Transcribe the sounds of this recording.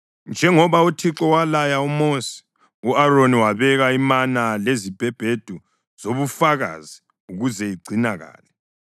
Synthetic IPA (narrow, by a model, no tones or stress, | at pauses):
nd͡ʒʱɛŋɔβautʰiǁɔwalajaumoːsi̥ | uaɾoniwaβɛɣaimanalezib̥ʱɛb̥ʱed̥ʱu | z̥oβufaɣa̰zi | uɣuzɛiɡ͡ǀʱinaɣa̰ːlɛ